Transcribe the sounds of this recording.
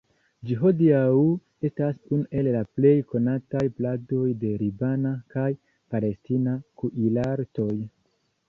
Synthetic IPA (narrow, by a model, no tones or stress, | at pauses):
d͡ʒiɦo̞diawu | e̞stasunuʔe̞lːaple̞jko̞natajplado̞jde̞ɾibanakaj | pale̞stinakuʔilaɾto̞j